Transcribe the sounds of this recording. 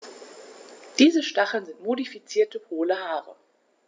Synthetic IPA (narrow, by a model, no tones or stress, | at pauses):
d̥iːzəʃtaχl̩nzɪntmodifit͡siːɐtəpʰoːləhaːʁə̰